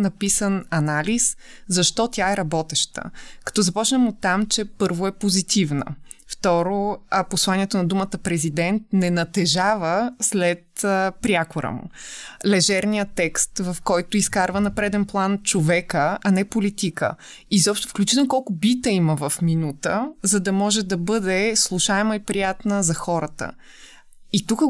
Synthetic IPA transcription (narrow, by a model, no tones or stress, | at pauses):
nɐpisənɐnaliszɐʃt̪ɔt̪ʲjaɛɾɐbɔt̪ɛʃt̪ə̰kɐ̥t̪ɔzɐpɔt͡ʃnəmot̪ːamt͡ʃɛpɤɾvoɛpozit̪ivnə̰ft̪ɔɾoposlˠaniɛt̪onɐd̪umət̪əpɾɛzid̪ɛnt̪̚nɛnɐt̪ɛʒavəslɛt̪pɾʲjakoɾə̰mʊ̰lɛʒɛɾnijət̪ːɛkst̪vɐfkɔjt̪ʊiskaɾvənɐpɾɛd̪ɛnplˠant͡ʃovɛkəɐnɛpolit̪ikə̰ | izɔpʃt̪ofklʲut͡ʃit̪ɛlkɔlˠkʊbit̪əiməvɐfminut̪əzɐd̪ɐmɔʒɛd̪ɐbɤd̪ɛslˠuʃaɛməipɾijat̪nəzɐxɔɾət̪ə̰ | it̪ukə